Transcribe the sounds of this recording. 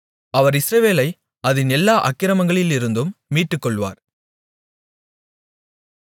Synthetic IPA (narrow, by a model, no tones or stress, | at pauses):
ɐʋɐɾɪsɾɐʋeːlɐɪ | ɐðɯnɛlːaːʔɐkːɪɾɐmɐŋɡɐɭɪlɪɾɯnd̪ɯmːiːʈːɯkːɔɭʋa̰ːɾ